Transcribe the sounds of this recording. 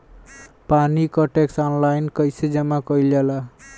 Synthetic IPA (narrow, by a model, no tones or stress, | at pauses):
panikɔʈeksɔnlajnkʌjsed͡ʒʌmakʌljala